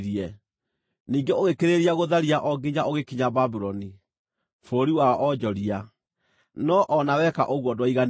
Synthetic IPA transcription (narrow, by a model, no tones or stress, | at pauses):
ɾiɛ | niːŋɡeoɣekeɾeɾiaɣoðaɾiaʔɔɡiɲaʔoɣekiɲababuɾɔni | foɾiwaɔʔɔd͡ʒɔɾia | nɔʔɔnawɛka̰ʔoɣwɔdwaiɣan